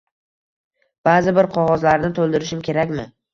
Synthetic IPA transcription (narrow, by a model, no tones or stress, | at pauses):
b̥azɪbɪɾqʰɒʁɒzlaɾnɪt̪ʰolˠd̪ɪɾɪʃɪmkʲʰe̞ɾakʲmɪ